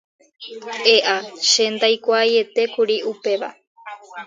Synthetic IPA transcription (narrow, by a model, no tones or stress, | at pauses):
eʔaʃend̪ajkʷaje̞t̪e̞kuɾiupe̞ʋa